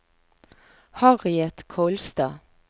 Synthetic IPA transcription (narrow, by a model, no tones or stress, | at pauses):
hɑʁɪɛt̪kʰoːlst̪ɑː